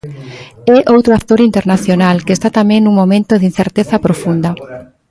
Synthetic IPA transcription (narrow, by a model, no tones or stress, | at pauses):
ɛʔowt̪ɾoat̪ːoɾint̪eɾnaθjonalkest̪at̪amẽŋnũŋmõmẽnt̪oðin̟θeɾt̪eθɐpɾofund̪ɐ